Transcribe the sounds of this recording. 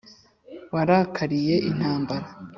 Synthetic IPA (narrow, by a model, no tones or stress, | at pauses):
waɾakʰaɾije̞ʔin̥haːmbaɾa